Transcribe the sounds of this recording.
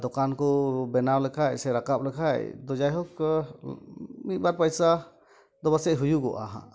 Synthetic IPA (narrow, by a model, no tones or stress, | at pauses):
d̪ɔkankɔbɛnawlɛkʰajsɛɾakap̚lɛkʰajd̪ɔd͡ʒajɦɔk | mit̪̚ˀbaɾpajsa | d̪ɔbasɛʔɦujuɡɔʔa̰ɦã̰